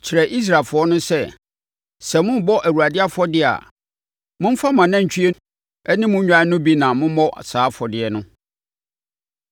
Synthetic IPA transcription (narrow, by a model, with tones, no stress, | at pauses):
t͡ɕʰɪ˨ɾɛ˨ʔi˦s̬ɾa˨ɪ˨lfʊ˨ɔ˦nʊ̃˦sɛ˦ | sɛ˨mʊ̃˦bɔ˦ʔæ˨wu˨ɾa˨dɪ˦a˦fɔ˦dɪ˦a̰˨ | mʊ̃˦m̩˦fa˦mã˨nã˦˨ɲ̩˨t͡ɕʰᶣi˦e˦ | ɛ˦nɪ̃˦mʊ̃˦ɲᶣã˦nʊ̃˦bi˦nã˨mʊ̃˦mɔ˦ʔa̰˨saː˨˦fɔ˨dɪ˨ɛ˨˦nʊ̃˦